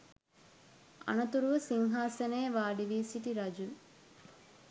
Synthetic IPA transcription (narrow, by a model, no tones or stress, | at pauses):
ɐ̰nɐt̪uɾuʋəsiŋɦaːsɐneːʋaːɖiʋiːsiʈiɾɐd͡ʒu